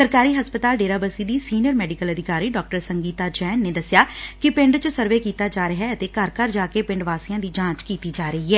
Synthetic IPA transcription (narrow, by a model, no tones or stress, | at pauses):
səɾkaːɾiːɦəspət̪aːlɖeːɾaːbəsiːd̪iːsiːnjəɾmɛːɖɪkələd̪ʱɪkaːɾiːɖɔːk̚ʈəɾsəŋɡiːt̪aːd͡ʒɛːnːeːd̪əsɪjaːkɪpɪ̃ɳɖt͡ʃsəɾʋeːkiːt̪aːd͡ʒaːɾəɦɛːət̪eːkəɾkəɾd͡ʒaːkeːpɪ̃ɳɖʋaːsijãːd̪iːd͡ʒãːt͡ʃkiːt̪iːd͡ʒaːɾəɦiːɦɛː